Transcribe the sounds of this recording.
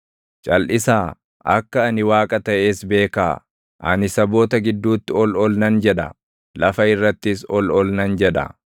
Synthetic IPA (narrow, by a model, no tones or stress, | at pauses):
t͡ʃʼɐlʔɪsaː | ʔɐ̰kːɐːnɪwaːkʼɐt̪ɐʔe̞ːsbe̞ːkaː | ʔɐnɪsɐbo̞ːt̪ɐɡɪd̪ːuːt̪ːɪɔlɔlnɐnd͡ʒɛᶑɐ̰ | lɐfɐɪrːɐt̪ːɪsɔlɔlnɐnd͡ʒɛᶑɐ̰